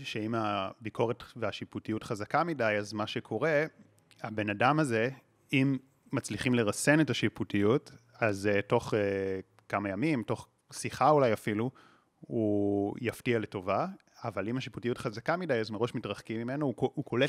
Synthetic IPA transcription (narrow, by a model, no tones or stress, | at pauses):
ʃeimabikʰo̞ʁetveaʃiputijutχazakamidajazmaʃe̞kʰo̞ʁe̞ | habe̞nadamaze̞ | imː | at͡sliχimle̞ʁase̞netaʃiputijut | azto̞χe | kamajamimto̞χ | siχaulajafilu | ujaftiale̞to̞vaː | valimhaʃiputijutχazakamidajazmeʁo̞ʃmitʁaχkimime̞nouukʰo̞le